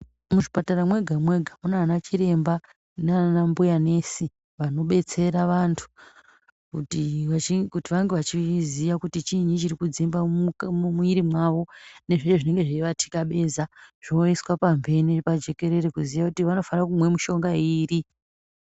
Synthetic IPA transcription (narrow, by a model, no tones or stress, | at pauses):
muʐipataramwe̞ɡʱamwe̞ɡʱamunanat͡ʃiɾe̞mba | nanambujane̞si | ʋano̞ɓe̞t͡se̞ɾaʋantʰu̥ | tiaikutiʋaŋɡe̞ʋat͡ʃiziʋakutit͡ʃiɲit͡ʃirikud͡zimbaumumuiɾimwaʋo̞ne̞ʐet͡ʃoʐine̞ŋɡe̞ʐiiʋatʰi̥kaɓe̞zaʐ̥oiswapambe̞nipad͡ʒe̞ke̞ɾe̞ɾekuziʋakutiʋano̞fanakumwe̞muʃo̞ŋɡaiːri